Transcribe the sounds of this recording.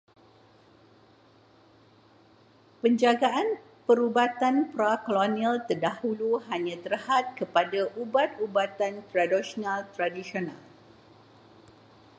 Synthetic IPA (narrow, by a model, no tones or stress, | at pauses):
pəɲd͡ʒaɡaʔan | pəɾubat̪anpɾakolonĩalt̪ərdahuluhaɲãt̪ərhat̪̚kəpadaʔubat̪ubat̪ant̪ɾadiʃonãlt̪ɾadisiona̰l